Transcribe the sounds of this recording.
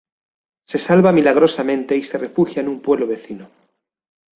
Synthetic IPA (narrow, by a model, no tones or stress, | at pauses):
se̞salβamilaɣ̞ɾo̞samẽ̞nt̪e̞ise̞re̞fuxjaenumpwe̞βloβe̞θino